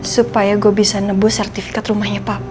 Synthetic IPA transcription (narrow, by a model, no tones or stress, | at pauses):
supajaɡobisanəbʊsɛrt̪ifi̥kat̪rumahɲapap̚